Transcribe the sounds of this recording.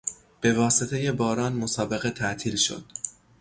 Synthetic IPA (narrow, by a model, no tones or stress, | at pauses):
b̥e̞vɒːset̪ʰe̞je̞bɒːɾɒːnmosɒːbe̞ɣe̞t̪ʰæʔt̪ʰiːlʃo̰d̪̥